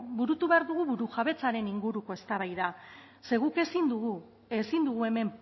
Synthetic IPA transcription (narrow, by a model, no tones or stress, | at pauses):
buɾut̪uβeaɾðuɣuβuɾuʝaβe̞t͡saɾe̞niŋɡuɾuko̞e̞st̪aβajða | se̞ɣuke̞sind̪uɣu | esind̪uɣ̞ue̞me̞m